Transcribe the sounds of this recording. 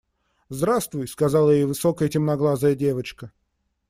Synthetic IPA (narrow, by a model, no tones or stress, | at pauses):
zd̪ɾast̪vʊjskɐzalˠəjejvɨsokəjətʲɪmnɐɡlˠazəjədʲe̞vət͡ɕkə